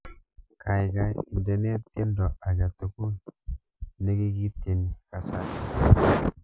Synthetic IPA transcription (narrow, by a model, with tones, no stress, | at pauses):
ka˨i˨ka˦ḭ˨nde˨˦ne˦t̪e˦ndo˨a˨d͡ʒa˨t̪u˨ku˦n | ne˦ɡi˦ɡi˦te˨ni˨ka˨sa˨ti˦